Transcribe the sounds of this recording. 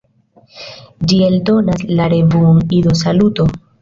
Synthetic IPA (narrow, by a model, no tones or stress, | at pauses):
d͡ʒie̞ldo̞naslaɾe̞vuŋidos̬aluto̞